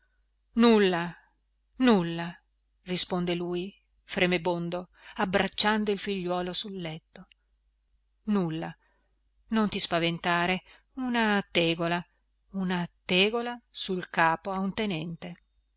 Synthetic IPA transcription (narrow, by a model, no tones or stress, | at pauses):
nulːa | nulːa | rispond̪eluːji | fɾemebond̪oabɾat͡ʃːand̪oilfiʎːwɔːlosulːɛt̪ːo | nulːa | nont̪ispavent̪aːɾe | unat̪ɛːɡola | unat̪ɛːɡolasulkaːpoaunt̪enɛnt̪e